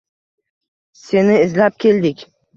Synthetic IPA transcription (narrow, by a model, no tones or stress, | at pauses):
se̞nɪɪzlap̚kʲʰe̞ld̪ɪkʲ